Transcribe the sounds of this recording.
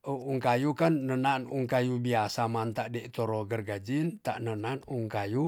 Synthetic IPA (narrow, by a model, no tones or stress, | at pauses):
əuŋkajukanːənanuŋkajubiasamant̪aʔdɛʔt̪ɔɾɔɡərɡad͡ʒint̪a̰ʔnənanuŋkaju